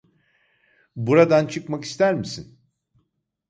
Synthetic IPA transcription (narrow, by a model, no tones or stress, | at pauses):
buɾad̪ant͡ʃʰɯkmaki̥st̪ʰæɾmisin